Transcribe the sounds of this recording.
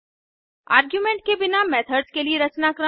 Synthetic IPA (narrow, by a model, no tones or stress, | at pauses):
aːɾɡjumẽɳʈ̚kebɪnamɛːt̪ʰəɖskelieɾɐt͡ʃnakɾə